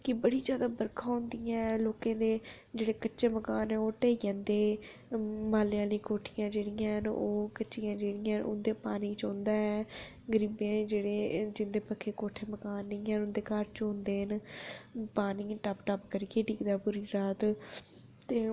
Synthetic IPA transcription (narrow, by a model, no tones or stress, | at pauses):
kɪbəɽiːd͡ʒjaːd̪aːbəɾkʰãːɦʊ̃nd̪ijãːloːkãːd̪eː | d͡ʒeːɽeːkət͡ʃːʃeːməkaːnɛːoːʈeːiːãːnd̪eː | maːljãːlĩːkoːʈʰijãːd͡ʒeːɽɪjãːɦənoːkətːʃijãːd͡ʒeːɽɪjãːʔʊ̰nd̪eːpaːniːt͡ʃõːnd̪aːɛː | ɡəɾiːbẽːd͡ʒeːɽeːd͡ʒɪnd̪eːpəkʰeːkoːʈʰeːməkaːnːĩːɛ̃ʊ̃nd̪eːkaːɾt͡ʃɦʊ̃nd̪eːɦən | paːniːʈəpʈəpkəɾiːɡeːʈiːkd̪aːpʊɾiːɾaːt̪ | t̪eː